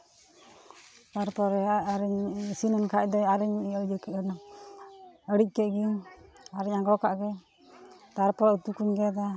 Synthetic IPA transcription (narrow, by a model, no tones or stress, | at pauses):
t̪aɾpɔɾɛaɾɛɲsinankʰaʔ̚d̪ɔaɾɛɲd͡ʒkn | əɽic̚kɛʔɡiaɾɛɲaɡɔkaʔɡɛ | t̪aɾpɔɾɔut̪ukuɲɡɛd̪a